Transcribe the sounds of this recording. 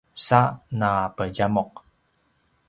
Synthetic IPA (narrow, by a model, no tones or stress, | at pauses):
sanapəɟamɔq̚